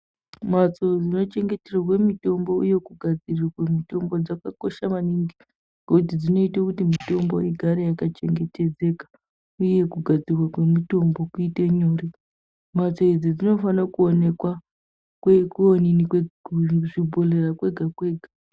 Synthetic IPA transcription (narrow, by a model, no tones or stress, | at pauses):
mat͡so̞d͡zino̞t͡ʃe̞ŋɡe̞terwak̬we̞mito̞mbo̞uje̞kuɡʱad͡zirirakwemito̞mbo̞d͡zakako̞ʃamaniŋɡi | ɡokut̬id͡zino̞itakutimito̞mboiɡʱaɾejakat͡ʃe̞ŋɡe̞te̞d͡ze̞kḁ | uje̞kuɡʱad͡zirwakwe̞mito̞mbo̞kuiteɲoːri | mat͡so̞id͡zid͡zino̞fanakuonekwa | kwekuoninikweʐibʱo̞lerakwe̞ɡʱakwe̞ːɡʱa